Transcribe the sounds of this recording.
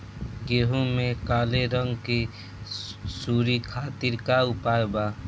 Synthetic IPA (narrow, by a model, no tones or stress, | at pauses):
ɡeːɦumẽkaːleɾəŋɡke | suːɾikʰaːt̪ɪɾkaʊpaːɾbaː